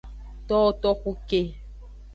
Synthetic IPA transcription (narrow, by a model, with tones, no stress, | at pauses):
t̪ɔ˦t̪ɔ˦xu˦ke˦